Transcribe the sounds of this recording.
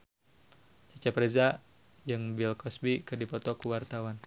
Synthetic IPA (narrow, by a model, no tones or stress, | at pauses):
t͡ʃat͡ʃapɾɛza | d͡ʒɨŋbilkɔsbikɨrdipɔt̪ɔkuwart̪awan